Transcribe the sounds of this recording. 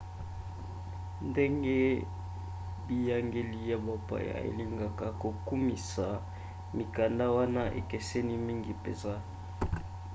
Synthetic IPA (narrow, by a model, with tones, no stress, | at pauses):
nde˦ŋɡe˦ | bi˦ja˦ŋɡe˦li˦ja˨ba˦pa̰˨ja̰˨ḛ˨li˦ŋɡa˨ka˨ko˨ku˦mi˨sa˨ | mi˨ka˨nda˦wa˦na˦ʔḛ˨kɛ˨se˦ni˦mi˦ŋɡi˨pḛ˨nza˦